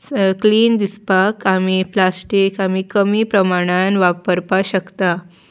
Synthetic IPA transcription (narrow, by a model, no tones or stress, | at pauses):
kliːnd̪ispakamiplasʈikamikəmiːpɾəmaɽ̃anʋapəɾpaɕəkt̪a